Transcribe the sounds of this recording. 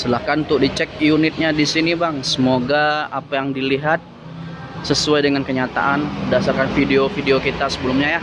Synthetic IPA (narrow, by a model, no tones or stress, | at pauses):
səlahkant̪ʊk̚dit͡ʃɛk̚junɪt̪̚ɲadisinibaŋsəmoɡaapajaŋdiliɦat̪̚ | səsuajdəŋankəɲat̪a̰ʔanbədasarkanfideofideokit̪asəbəlʊmɲaja